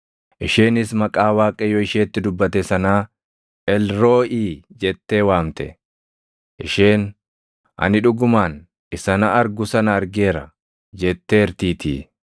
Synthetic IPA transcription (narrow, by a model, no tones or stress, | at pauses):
ʔɪʃeːnɪsmɐkʼaːwaːkʼɛjɔɪʃeːt̪ːɪd̪ʊbːɐt̪ɛsɐnaː | ʔɛlɾo̞ːʔiːd͡ʒɛt̪ːe̞ːwaːmt̪ɛ̰ | ʔɪʃeːn | ʔɐ̰nɪᶑʊɡʊmaːn | ʔɪsɐnɐʔɐɾɡʊsɐnɐːɾɡe̞ːɾɐ | d͡ʒɛt̪ːeːɛɾt̪iːt̪ʰiː